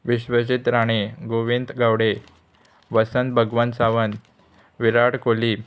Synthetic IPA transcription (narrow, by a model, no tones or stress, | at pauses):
ʋiɕʋəɕit̪ɾaɽ̃eɡoʋind̪ɡaʋɽe | ʋəsənt̪̚bʱəɡʋənsaʋən | ʋiɾaɽkoliː